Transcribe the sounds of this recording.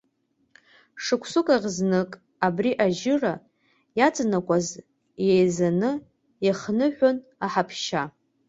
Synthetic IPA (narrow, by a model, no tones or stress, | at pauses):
ʂɨkʷʰsʊkʼaʁʲznɨkʼ | abriʔaʒɪra | jat͡sʼnakʷʼaz | jejzanɨ | iχnɨħᶣʷonaħapʰʃa